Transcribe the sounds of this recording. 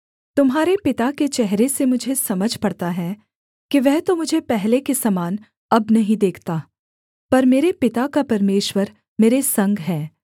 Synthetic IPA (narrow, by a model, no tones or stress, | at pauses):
t̪ʊmɦaːɾepɪt̪aket͡ʃɛɦɾesemʊd͡ʒʱesɐməd͡ʒʱpɐɽt̪aɦɛ | kiʋɛɦt̪omʊd͡ʒʱepɛɦlekesɐmaːn | ɐbnɐɦĩd̪eːkʰt̪aː | pɐɾmeːɾepɪt̪akapɐɾmeːʃwəɾ | meːɾesɐ̃ŋɡɦɛː